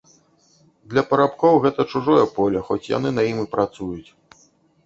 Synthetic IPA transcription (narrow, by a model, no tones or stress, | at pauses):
d̪lʲɐpɐɾapkɔwɣɛt̪ɐt͡ʂuʐɔjɐpɔlʲɐxɔt͡sʲja̰nɨnɐjimɨpɾat̪sujut͡sʲ